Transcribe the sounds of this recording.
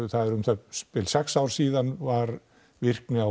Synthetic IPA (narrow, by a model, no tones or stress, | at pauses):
θaðɛɾʏmθapɪlsɛksawɾ̥siːðanvaɾ | vɪr̥knɪa